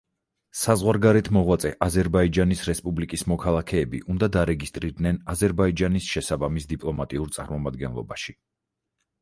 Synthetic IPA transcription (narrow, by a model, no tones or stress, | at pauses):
sazʁwaɾɡaɾɛt̪ʰmɔʁwat̪sʼɛʔazɛɾbaid͡ʒanisɾɛspʼublikʼismɔkʰalˠakʰɛːbḭʔund̪ad̪aɾɛɡist̪ʼɾiɾd̪nɛnazɛɾbaid͡ʒanisʃɛsabamisd̪ipʼlˠɔmat̪ʼiuɾt̪sʼa̰ɾmɔmad̪ɡɛnlˠɔ̰baʃi